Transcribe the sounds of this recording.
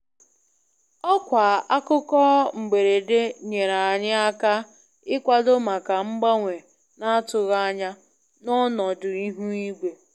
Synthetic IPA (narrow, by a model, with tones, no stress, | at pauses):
ɔ˦kʷa˨a˦kʊ˦kɔ˦ŋ͡m̩˨ɡ͡be˨ɾe˨dɪ˦ɲe˨ɾa˨a˨ɲɪ˦a˦ka˦ | ɪ˦kʷa˦dʊ˦ma˨ka˨ŋ͡m̩˦ɡ͡ba˦ŋʷe˨ | na˦a˦tʊ˨ɣa˦ɲa˦ | nʊ˦nɔ˨dʊ˨i˦ɦu˦i˦ɡ͡be˨